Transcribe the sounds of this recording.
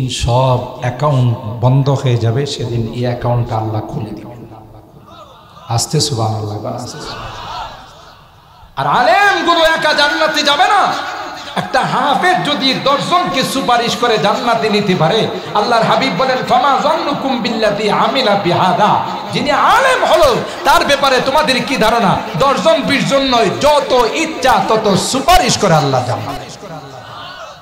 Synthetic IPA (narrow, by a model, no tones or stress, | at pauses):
nʃɔbɛkawɳʈbɔnd̪oɦeed͡ʑabeʃed̪inḛɛkawɳʈkaalːakʰuld̪i | ast͡ʃesubʱa̰ːnalːaba̰as | aɾaːlemɡuluɛkad͡ʑanːat̪id͡ʑabena | ɛk̚ʈaɦaːfeɾd͡ʒod̪id̪ɔɾzonkesupaɾiʃkɔɾed͡ʑanːat̪init̪epaɾe | alːaɾɦabib̚ːɔlenfamaːzɔnlukumbilːat̪iːʕamilabiɦaːd̪a̰ | d͡ʑinijaalemɦolo | t̪aɾbɛpaɾet̪omad̪eɾkid̪ʱaɾonad̪ɔɾzɔnbiɾzonːɔjd͡ʒɔt̪oʔitːʃat̪ɔt̪osupaɾiʃkɔɾealːa̰ɾd͡ʒa̰na̰